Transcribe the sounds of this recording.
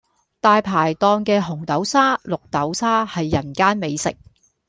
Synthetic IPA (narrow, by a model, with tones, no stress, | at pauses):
t̪aː˨jpʰaː˨˩jt̪ɔː˧ŋkɛː˧ɦʊ˨˩ŋt̪ɐ˨˥wsaː˥lʊ˨k̚t̪ɐ˨˥wsaː˥hɐ˨jːɐ˨˩nkaː˥nme˨˧jsɪ̰˨k̚